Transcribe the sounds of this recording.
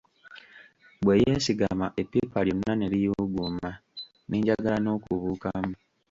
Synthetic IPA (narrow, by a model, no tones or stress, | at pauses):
bwejesiɡamaʔepːepaljonːanelijoːɡuma | nʔeːɲɟaɡalano̞ːkuβukamu